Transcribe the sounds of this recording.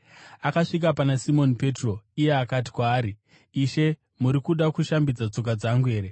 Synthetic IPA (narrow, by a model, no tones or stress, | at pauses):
akaʂik̬apanasimo̞nipe̞tro̞ijeakati̥kwaːɾiː | ʃe̞ | muɾikuɗakuʃambid͡zat͡so̞k̬ad͡zaŋɡue̞ːɾe